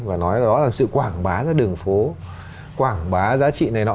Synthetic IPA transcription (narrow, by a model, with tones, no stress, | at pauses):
vaː˨˩nɔ˨˦jzaː˨˩ɗɔ˨˦laː˨˩msɨ̰˧˨kwaː˧˩ŋɓaː˨˦zaː˨˦ɗɨ˨˩əŋfo˨˦ | kwaː˧˩ŋɓaː˨˦zaː˨˦t͡ɕḭ˧˨na˨˩jnɔ̰˧˦